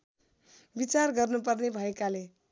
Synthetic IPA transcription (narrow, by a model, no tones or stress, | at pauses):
bit͡sarɡʌrnup̬ʌrnebʱʌekale